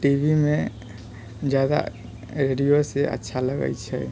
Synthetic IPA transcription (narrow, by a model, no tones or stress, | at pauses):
ʈibʱime | d͡ʒad̪a̰ | ɾeɖijosɛʔa̰tːʃʰaləɡa̰jt͡ʃʰɛ̰